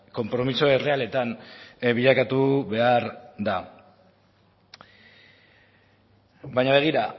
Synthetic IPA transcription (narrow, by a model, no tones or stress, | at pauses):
ko̞mpɾo̞misoe̞re̞ale̞t̪anβiʎakat̪uβe̞aɾd̪a | bajɲaβe̞ɣ̞iɾa